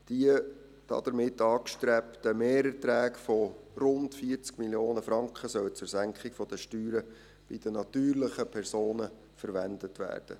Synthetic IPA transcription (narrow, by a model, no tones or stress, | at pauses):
d̥iə | d̥ɑ̰d̥̪əɾmɪtːɑːkʃtɾɛptəmeːɾətɾæːkfɔrʊntfiəɾt͡skmiljoːnəfɾɑŋkχəsœwət͡sʊɾsæŋkχɪkfɔd̥̪əʃtyːɾə | b̥ɪd̥ənɑt̪yːrləχəpʰɛɾsoːnə | fəɾʋændətʋæ̰ːrd̥ə̰